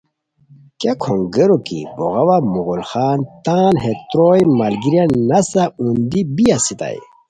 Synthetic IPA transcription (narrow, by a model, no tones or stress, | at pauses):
kakʰoŋɡəɾokḭboɣɐwamuɣulxaːnt̪aːnɦet̪ɾojmalɡiɾjanɐsaũnd̪ibijasit̪a̰j